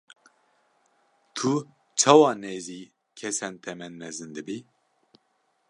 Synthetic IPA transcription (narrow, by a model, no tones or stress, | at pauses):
t̪ʰu | t͡ʃʰawɑːneːziː | kʰɛsɛnt̪ʰɛmɛnmɛzɨnd̪ɨbi